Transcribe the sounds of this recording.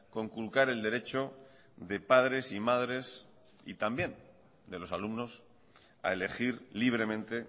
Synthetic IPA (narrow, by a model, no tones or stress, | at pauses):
ko̞ŋkulkaɾe̞ld̪e̞ɾe̞t͡ʃo | ðe̞pað̞ɾe̞simaðɾe̞s | ḭt̪ambje̞n | d̪e̞lo̞salumno̞s | a̰e̞le̞xiɾliβ̞ɾe̞mẽ̞nt̪e̞